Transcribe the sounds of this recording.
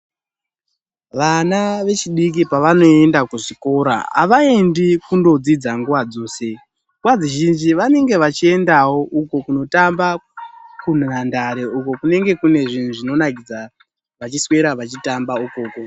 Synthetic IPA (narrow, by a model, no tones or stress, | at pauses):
ʋanaʋe̞t͡ʃiɗik̬ipaʋano̞e̞ndakuʐiko̞ɾa̰a̰ʋae̞ndikundo̞d͡zid͡zaŋɡuʋad͡zo̞ːse̞ | ŋɡwad͡ziʒind͡ʒiʋane̞ŋɡe̞ʋat͡ʃie̞ndawo̞ʔuko̞kuno̞tambakunandaɾe̞uko̞kune̞ŋɡe̞kune̞ʐin̤uʐino̞nakid͡za | ʋat͡ʃiswe̞ɾaʋat͡ʃitambauko̞ːko̞